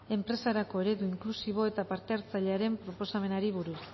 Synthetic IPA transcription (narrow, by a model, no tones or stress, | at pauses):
e̞mpɾe̞saɾako̞e̞ɾe̞ðuiŋklusiβ̞o̞e̞t̪apaɾt̪e̞aɾt͡saʎeaɾe̞mpɾo̞po̞same̞naɾiβ̞uɾus